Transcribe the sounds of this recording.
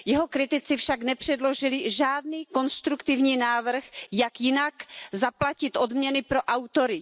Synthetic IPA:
jɛɦo̞kɾɪt̪ɪt͡sɪfʃaknɛpr̝̥ɛdlo̞ʒɪlɪʒaːd̚niːko̞nst̪ɾukt̪ɪvɲiːnaːvr̩xjakjɪnakzaplacɪt̪ʔo̞dmɲɛnɪpɾo̞ʔawt̪o̞ɾɪ

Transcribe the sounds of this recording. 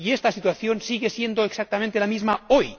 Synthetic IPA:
iest̪asit̪waθjo̞nsiɣe̞sjend̪oeksak̚t̪amẽnt̪elamizmaoj

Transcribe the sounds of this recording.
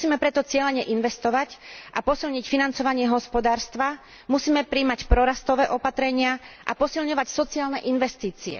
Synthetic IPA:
siːmɛpɾɛt̪ɔt͡sɪɛlɛɲɛʔinʋɛst̪ɔʋacʔapɔsilɲicfinant͡sɔʋaɲɪɛɦɔspɔd̪aːɾst̪ʋa | musiːmɛpɾiːmacpɾɔɾast̪ɔʋɛːʔɔpat̪ɾɛɲɪaʔa̰pɔsilɲɔʋacsɔt͡siaːlnɛʔinʋɛst̪iːt͡siɛ̰

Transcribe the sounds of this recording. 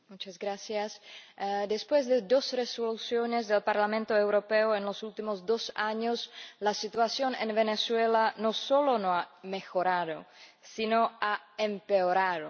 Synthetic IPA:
mut͡ʃazɡɾasjas | d̪espwezd̪ed̪o̞sresolusjonezd̪elpaɾlamẽnt̪oewɾopeoenlosult̪imozd̪osaɲoslasit̪uasjonenβeneswelanosolo̞noamexoɾaðo̞̰sinoaempeoɾaðo

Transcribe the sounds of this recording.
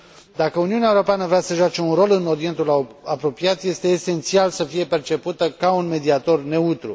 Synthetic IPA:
d̪akəuniuneaeuɾo̞peanəvɾeasəʒoat͡ʃe̞unɾo̞lɨno̞ɾie̞nt̪ulapɾo̞piat̪je̞st̪e̞ːse̞nt̪sialsəfije̞pe̞rt͡ʃe̞put̪əkaunme̞d̪iat̪o̞rne̞ut̪ɾṵ

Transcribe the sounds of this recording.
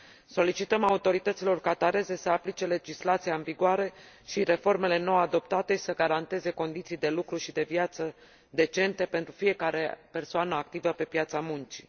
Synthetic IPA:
so̞lit͡ʃit̪əmaut̪o̞ɾit̪ət̪silo̞rkat̪aɾe̞ze̞səaplit͡ʃe̞le̞d͡ʒislat̪sijaɨnviɡoaɾe̞ | ʃiɾe̞fo̞rme̞le̞no̞ad̪o̞pt̪at̪e̞ʃi̥səɡaɾant̪e̞ze̞ko̞nd̪it̪sijd̪e̞lukɾuʃid̪e̞vjat̪sə | d̪e̞t͡ʃe̞nt̪e̞pe̞nt̪ɾufije̞kaɾe̞pe̞rsoanəak̚t̪ivəpe̞pjat̪samunt͡ʃi̥

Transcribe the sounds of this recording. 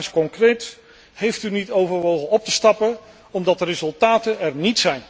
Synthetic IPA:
nskɔŋkrejt | hejftynitowvəɹʋowχənɔp̚təstɑpə | ɔmdɑt̚dərezɵlˠtaːtəɛrnitsɛjn

